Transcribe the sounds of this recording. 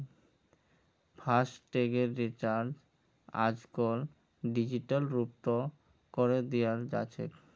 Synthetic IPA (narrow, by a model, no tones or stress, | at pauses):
pʰasʈʈeɡeɾːit͡ɕaɾd͡ʑ | a̰d͡ʑkol | ɖid͡ʑiʈalɾup̚t̪o | koɾed̪eaɾd͡ʑa̰t͡ɕʰḛk